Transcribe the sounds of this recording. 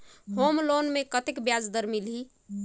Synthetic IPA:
homlonmekət̪ekbjad͡ʒd̪əɾmilɦi

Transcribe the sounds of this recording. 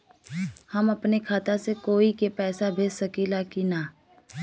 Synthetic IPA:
hɐmɐpnekʰaːt̪asekoːikepɛːsabʱeːssɐkilaːkinaː

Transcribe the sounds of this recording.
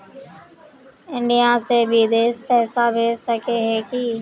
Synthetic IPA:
ɪ̃ɳɖɪjãːseːbʱiːd̪eːspɛːsaːbʱeːsəkeːɦeːkiː

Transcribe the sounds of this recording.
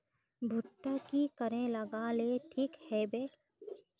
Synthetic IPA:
bʱʊʈːəkikəɾẽlɐɡaːleʈʰiːkhɛbeː

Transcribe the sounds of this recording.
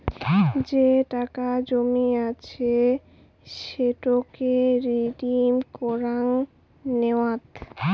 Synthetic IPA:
d͡ʑeʈakad͡ʑomiat͡ɕʰe | ʃeʈokeɾiʈimkɔɾaŋ | newat̪

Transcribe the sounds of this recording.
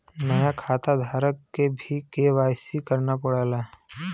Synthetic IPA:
nəjakʰaːt̪ad̪ʱaːɾəkːebʱikeʋaːsikəɾnapəɽaːlaː

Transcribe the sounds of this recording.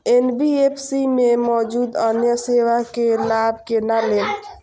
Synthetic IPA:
enbiepʰsimemɔd͡ʒud̪ənjəseʋakelabkenalel

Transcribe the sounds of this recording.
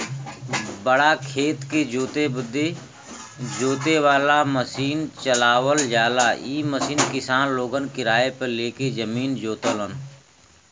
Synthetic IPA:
bəɽakʰeːt̪ked͡ʒoːt̪ebʊd̪ʱːe | d͡ʒoːt̪eʋaːlaməsiːnt͡ʃəlaːʋəld͡ʒaːlaːiːməsiːnkɪsaːnloːɡənkɪɾaːepəleːked͡ʒəmiːnd͡ʒoːt̪ələn

